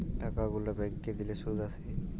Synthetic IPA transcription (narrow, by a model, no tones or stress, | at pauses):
ʈakaɡulabɛ̃ŋked̪ileʃud̪ʱasʰe